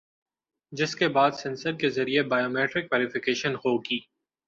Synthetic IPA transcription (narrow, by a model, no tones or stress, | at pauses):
d͡ʒɪskebaːd̪sɛ̃nsəɾkezɐɾiebaːjoːmeːʈɾɪkʋɛːɾɪfɪkeːʃənhoːɡiː